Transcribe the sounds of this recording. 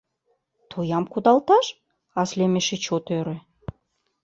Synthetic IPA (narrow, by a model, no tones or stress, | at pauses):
t̪ʰojɑmkud̪ɑlt̪ɑʃ | ɑslemeʃĕt͡ɕot̪øɾĕ